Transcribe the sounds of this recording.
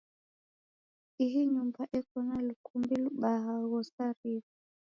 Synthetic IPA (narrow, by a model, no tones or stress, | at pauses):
iɦiɲumbaʔɛkɔnalukʰumbiluɓaɦaɣɔsaɾiβu